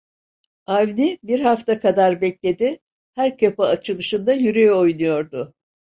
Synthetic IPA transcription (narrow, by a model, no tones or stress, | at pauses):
avnibiɾɦaft̪ʰakʰad̪aɾbɛclʲe̞d̪ɪ | hæɾkʰapaːt͡ʃʰɯlˠɯʃɯnd̪ajyɾejo̞jnujo̞ɾd̪ʊ